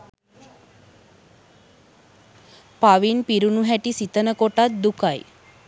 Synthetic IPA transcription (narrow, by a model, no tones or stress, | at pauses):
paʋinpiɾunuɦæʈisit̪ənəkoʈat̪̚d̪ukaj